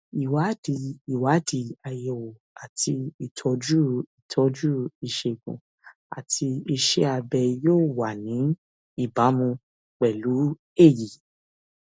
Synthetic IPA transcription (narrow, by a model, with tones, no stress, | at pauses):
i˨wa˨˦di˨i˨wa˨˦di˨a˨jɛ˨o˨ | a˨tʰi˧i˨tʰɔ˧d͡ʒu˦i˨tʰɔ˨˧˦d͡ʒu˦i˨ʃe˧ɡṵ̃˨ | a̰˨tʰi˧i˧ʃe˦a˧bɛ˧joː˦˨wa˨nĩ˨˦ | i˦˨ba˨˦mũ˧ | k͡pɛ˨lu˨˦ | e˦˨ji˨